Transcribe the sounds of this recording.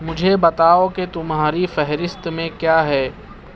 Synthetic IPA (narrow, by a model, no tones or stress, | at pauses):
mʊd͡ʒʱebɐt̪aːoket̪ʊmɦaːɾifɛɦɾɪst̪mẽkjaːɦɛː